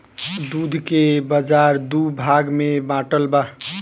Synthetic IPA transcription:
d̪ud̪ʱkebəd͡ʒaɾd̪ubʱaɡmebãʈəlba

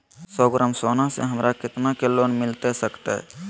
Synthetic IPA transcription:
sɔːɡɾəmsoːnasḛɦəmɾʔakɪt̪nakeloːnmɪlt̪esəkt̪eɦɛ̰

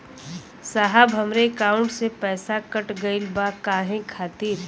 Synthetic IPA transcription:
saːɦəbʱɦɐmɾekaːʊ̃ɳʈsepɛːsakɐʈɡɐɪlbakaːɦẽkʰaːt̪iːɾ

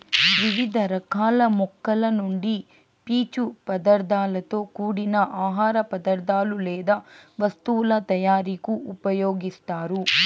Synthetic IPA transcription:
ʋiʋid̪ʱɐɾɐkʰaːlɐmɔkːɐlɐnoɳɖi | piːt͡ʃupɐd̪ɐɾd̪aːlɐt̪oːkuːɽinɐʔaːɦaːɾɐpɐd̪ɐɾd̪aːlulɛːd̪ɐʋɐst̪uːlɐt̪ɐjaːɾikuupɐjoːɡist̪aːɾu

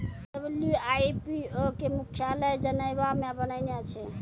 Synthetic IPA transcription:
d͡ʒəbljuajpiokemukʰjaləjd͡ʒənəjbamebənəɪnjat͡ʃʰɛ

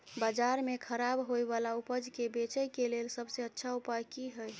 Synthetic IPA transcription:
bad͡ʒaɾmekʰəɾabɦojbalaupəd͡ʒkebet͡ʃəjkelelsəbseətːʃʰaupajkiɦəj

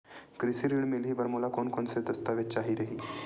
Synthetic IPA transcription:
kɾisiːɾiɳmelɦiːbəɾmulakonkoːnsed̪ɐst̪aːʋet̪̚t͡ʃaɦiːɾɐɦiː

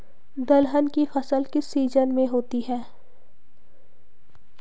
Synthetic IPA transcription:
d̪ɐlɦənkifɐsəlkɪsiːzənmẽɦoːt̪iɦɛː

